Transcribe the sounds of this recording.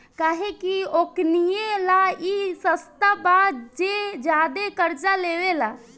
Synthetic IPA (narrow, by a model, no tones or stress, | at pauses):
kaːɦekioknijelaisəst̪abad͡ʒed͡ʒad̪ekəɾt͡ʃaleʋela